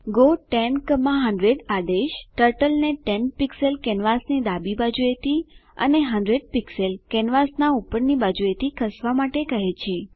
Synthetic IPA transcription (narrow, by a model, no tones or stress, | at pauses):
ɡoʈɛnkəmãɦə̃ɳɖɾeɖad̪eʃʈəɾʈəlneʈɛnpikselkɛnʋasnid̪abibad͡ʒuet̪ʰiə̰neɦəɳɖɾeɖ̚pikselkɛnʋasnaupəɾnibad͡ʒuet̪ikʰəsʋamaʈekəɦet͡ʃʰe